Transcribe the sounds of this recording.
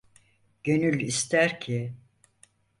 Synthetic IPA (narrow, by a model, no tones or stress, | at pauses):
ɟ̥ø̞nylʲist̪ʰæɾcʰɪ